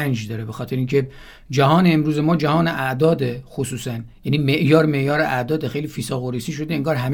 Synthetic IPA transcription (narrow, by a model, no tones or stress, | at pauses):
ænd͡ʒd̪ɒːɾebexɒːt̪ʰe̞ɾeiːŋcʰe̞ | d͡ʒæɦɒːneːmɾuːzemɒːd͡ʒæhɒːneʔæʔd̪ɒːd̪exosuːsænjæniːmeʔjɒːɾme̞ʔjɒːɾeʔæd̪ɒːd̪exe̞jliːfisɒːɣoɾiːsiːʃ̬o̞d̪eeŋɡɒːɾɦæm